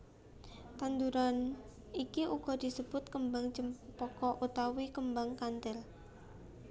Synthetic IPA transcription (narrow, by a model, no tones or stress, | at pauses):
t̪and̪uɾan | ikiʔuɡ̥ɔ̤d̪̥i̤səb̥ʊt̪̚kəmbaŋt͡ʃəmpɔkɔʔut̪awikəmbaŋkant̪ɛl